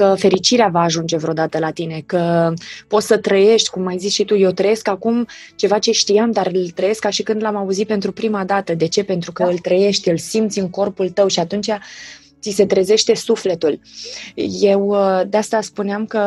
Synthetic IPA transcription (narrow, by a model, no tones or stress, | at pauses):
kəfe̞ɾit͡ʃiɾeavaːʒund͡ʒe̞vɾeo̞d̪at̪əlat̪ine̞kəpo̞t̪sət̪ɾəje̞ʃt̪ʲkumːajzit͡ʃʃit̪uje̞wt̪ɾəje̞skakum | t͡ʃe̞vat͡ʃe̞ʃt̪iamd̪arɨlt̪ɾəje̞skːaʃikɨnd̪lamauzit̪̚pe̞nt̪ɾupɾimad̪at̪əd̪e̞t͡ʃe̞pe̞nt̪ɾukəɨlt̪ɾəje̞ʃt̪ʲɨlsimt̪sʲɨŋko̞rpult̪əwʃiat̪unt͡ʃa | t̪ise̞t̪ɾe̞ze̞ʃt̪e̞sufle̞t̪ul | je̞wd̪east̪aspuneamkə